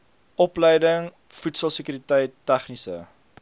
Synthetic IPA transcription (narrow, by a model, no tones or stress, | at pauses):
ʔɔpləjdəŋ | futsəlˠsəkyɾitəjtːæχnisə̰